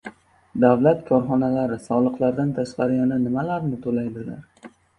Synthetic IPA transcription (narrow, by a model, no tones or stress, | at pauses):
d̪avlat̪kʰɒɾχɒnalaɾɪsɒlˠɨqlˠaɾd̪ant̪ʰaʃqɑɾɪananɪmalaɾnɪt̪ʰolajd̪ɪla̰ɾ